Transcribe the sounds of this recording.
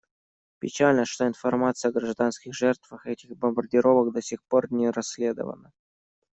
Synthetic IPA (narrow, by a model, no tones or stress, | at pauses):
pʲɪt͡ɕalʲnəʂt̪o̞ɪnfɐrmat̪sɨjɐɡɾɐʐd̪anskʲɪxʐɛrt̪vəxɛtʲɪxbəmbərdʲɪɾo̞vəkd̪ɐsʲixpo̞rnʲɪɾɐsʲːlʲed̪ə̰və̰nə